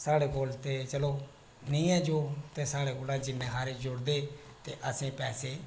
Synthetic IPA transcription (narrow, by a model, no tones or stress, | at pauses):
saːɽeːkoːlt̪eːt͡ʃəloː | nĩːɛːd͡ʒoːt̪eːsaːɽeːkoːlaːd͡ʒɪnẽːɦaːɾeːd͡ʒʊɽd̪eː | t̪eːʔəsĩːpɛːseː